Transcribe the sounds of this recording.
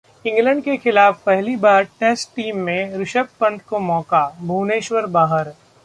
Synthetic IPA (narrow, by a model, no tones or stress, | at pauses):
ɪ̃ŋɡlə̃ɳɖkexɪlaːfpɛɦlibaːɾʈɛːsʈʈiːmːẽɾɪʃək̚pɐ̃ɳʈkomɔːkabʱuːneːʃwəɾbaːɦəɾ